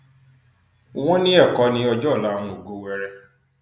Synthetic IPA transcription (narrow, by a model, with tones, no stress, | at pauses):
wɔ̃˦nɪ̃˦ɛ˦˨kɔ˨˦nɪ̃˦ɔ˧d͡ʒɔ˦˨la˨˦nũ˨ɡo˨wɛ˨ɾɛ˦